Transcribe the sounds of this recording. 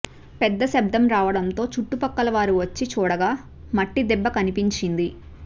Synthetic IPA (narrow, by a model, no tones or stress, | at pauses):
pɛd̪ːɐsɛb̚d̪ɐmɾaːʋɐɽɐnt̪o̞ːt͡ʃuʈːupɐkːɐlɐʋaːɾuʋɐt͡ʃːit͡ʃuːɽɐɡaː | mɐʈːid̪ɛbːɐkɐnipiɲt͡ʃind̪i